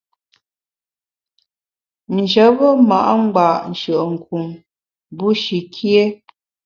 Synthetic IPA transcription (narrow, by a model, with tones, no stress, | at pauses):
n̩˨d͡ʒə˨˦bə˦ma˨ʔa˦ŋ͡m̩˦ɡ͡ba˨ʔn̩˨ʃə˨ʔə˨ŋ̩˨ku˨m | bu˦ʃi˨kʰje˦